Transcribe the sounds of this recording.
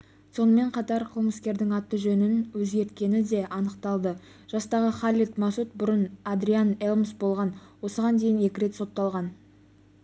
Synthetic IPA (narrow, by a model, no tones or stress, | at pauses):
so̞nəme̞ɴqʰɑt̪ɑɾqʰəlˠməskʲe̞ɾd̪ɪŋɑt̪ːəʒɵnɪnwɵzɡʲe̞ɾt̪̚kʲe̞nɪd̪e̞ʔɑnəqt̪ɑlˠd̪ə | ʒ̥ɑst̪ɑʁəχalʲit̪mɑsut̪̚bʊɾənad̪ɾianelˠmsbo̞lˠʁɑnwo̞səʁɑnd̪e̞jɪne̞kʲɪɾe̞t̪so̞t̪ːɑlˠʁɑn